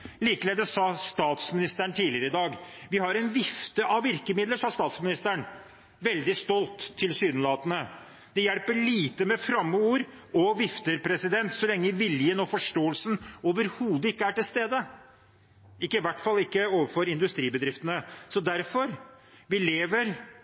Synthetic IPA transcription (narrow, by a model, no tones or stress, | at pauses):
liːkəlɛːd̪əsɑst̪ɑːt̪smɪnɪst̪əɳt̪ʰiːlɪəɾəɪd̪ɑːɡʋɪhɑɾɛnʋɪft̪əʔɑʋɪɾkəmɪd̪ləʂɑːst̪ɑːt̪smɪnɪst̪əɳ | ʋɛld̪ɪst̪ɔlt̪ʰːɪlsyːd̪nlɑːt̪ənə | d̪ɛjɛlpəɭiːt̪əmɛfɾɑmːəuːɾ | ɔʋɪft̪əɾpʰɾɛsɪd̪ɛnt̪sɔlɛŋːəʋɪljənɔfɔʂʈoːəlsnoːʋəɾhuːd̪əɪkːəæʈɪlst̪eːd̪ə | ɪkːəɪʋæʈːfɑlːɪkːəoːʋəɾfɔɾɪnd̪ʉst̪ɾiːbəd̪ɾɪft̪ənəsɔd̪æɾfɔɾʋɪleːʋəɾ